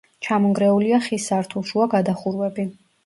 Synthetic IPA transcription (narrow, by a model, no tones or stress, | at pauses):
t͡ʃʰamɔŋɡɾɛuliaχisaɾt̪ʰulˠʃuaɡad̪aχuɾwɛbi